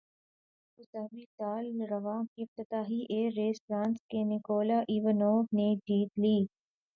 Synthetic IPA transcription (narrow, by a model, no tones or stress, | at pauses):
ʊsɐbit̪aːlɾɐʋãːkiɪf̚t̪ɪt̪aːɦiʔeːɾeːstɾãːnskenɪkoːlaʔiːʋənɔːned͡ʒiːt̪liː